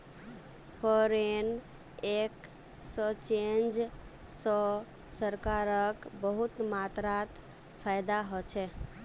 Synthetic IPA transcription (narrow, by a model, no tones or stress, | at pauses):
fʰɔɾen | ek | sɔt͡ʃend͡ʒ | sɔ | səɾkaɾəkbəɦut̪mat̪ɾat̪ | pʰajd̪aɦɔt͡ʃʰɛ